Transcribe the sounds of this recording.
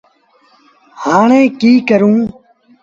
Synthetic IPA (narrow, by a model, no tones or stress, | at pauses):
haːɳẽːkiːkəɾũː